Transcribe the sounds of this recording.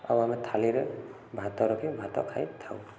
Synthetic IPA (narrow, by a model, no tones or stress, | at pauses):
a̰wamet̪ʰaliɾɯ | bʱat̪ɔɾɔkʰibʱat̪ɔ̰kʰajt̪ʰaw